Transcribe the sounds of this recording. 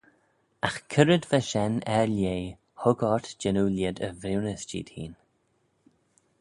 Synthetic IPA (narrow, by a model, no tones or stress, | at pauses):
axkʰəɾəd̪vaʃɛnɛɹljeː | hʊɡɔɹt̪d͡ʒɪnulɪd̪ə̰vɾiwnəsd͡ʒḭːd̥̪hḭːn